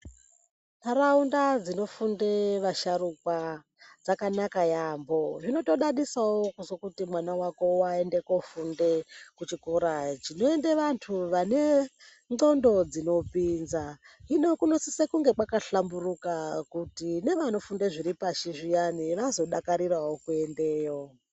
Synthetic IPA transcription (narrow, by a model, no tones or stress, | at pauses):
naraundad͡zino̞fundeʋaʃaɾukwa | d͡zakanakajaːmbo̞ʐino̞to̞ɗaɗisawokusokutimwanawako̞wae̞nde̞ko̞funde̞kut͡ʃikoɾat͡ʃino̞endeʋantʰuʋane̞ | ŋ͡ǀo̞ndo̞d͡zino̞pinzainokunosisekuŋɡe̞kakaɬamburukakutine̞ʋano̞fundeʐiɾipaʃiʐijaniʋazo̞ɗakaɾirawo̞kue̞nde̞ːjo̞